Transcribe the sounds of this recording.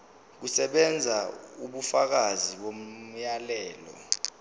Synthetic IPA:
k̬usɛɓɛnd͡zʱauɓufak̬aziɓom̩jalɛːlɔ̰

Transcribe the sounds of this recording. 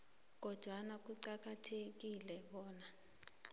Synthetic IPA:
k̬ɔd̥ʱwanak̬uǀak̬atʰek̬ilɛɓɔːna

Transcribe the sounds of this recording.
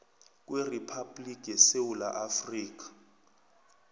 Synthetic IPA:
k̬ʼweripʰablikʼɛsewula̰ʔafriːk̬ʼḁ

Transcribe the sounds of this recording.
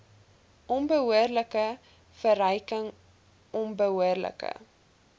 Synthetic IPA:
ʔɔnbəɦuərləkə | fəɾəjkəŋ | ʔɔnbəɦuərlə̰kə̰

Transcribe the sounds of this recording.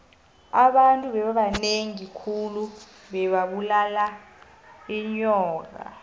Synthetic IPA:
aɓantʼuɓɛɓaɓaneŋikʰulu | ɓɛɓaɓulala | iɲɔːk̬a̰

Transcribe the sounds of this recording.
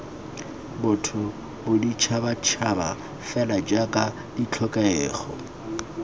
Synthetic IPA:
bʊtʰʊ | bʊdit͡ʃʰabat͡ʃʰaba̰ | fɛlad͡ʒakʼa | dit͡ɬʰɔkʼɛɛːχɔ̰

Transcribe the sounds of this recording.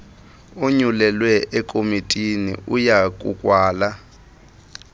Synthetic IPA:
uɲulɛlwɛʔɛkʼomitʼinḭʔujak̬ʼṵkʼwaːla

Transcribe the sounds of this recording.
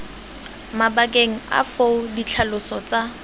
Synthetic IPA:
mabakʼeŋ̩a̰foʊdit͡ɬʰalʊsɔt͡sʼa

